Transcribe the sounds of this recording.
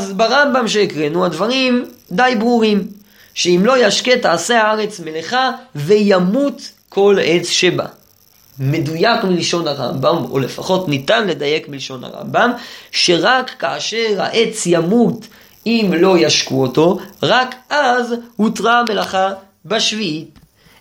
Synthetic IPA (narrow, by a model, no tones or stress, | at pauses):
azbaʁambamʃe̞ːkʁenuadvaʁimdajbʁuʁim | ʃe̞imlo̞jaʃke̞taːse̞aaʁe̞t͡smeleχave̞jamut | kʰo̞le̞t͡sʃe̞ba̰ | me̞dujakmiliʃo̞naʁa̰mbamo̰le̞faχo̞tnitanle̞daje̞kmiliʃo̞nha̰ʁa̰mbamʃe̞ʁakːaːʃe̞ʁa̰ʔe̞t͡sjamut | imlo̞jaʃkuoto̞ʁakʔazhutʁame̞laχa | baʃviit